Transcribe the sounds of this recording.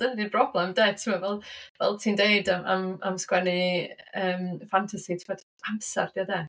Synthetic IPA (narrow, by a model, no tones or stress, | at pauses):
d̥əndibrɔblˠɛmdɛːtʰəmavɛlˠvɛ̰lˠtʰiːndeɨdaamamskwɛnɨəːmfantʰasitʰɪmɔd | amsɛ̰rd̥jadɛː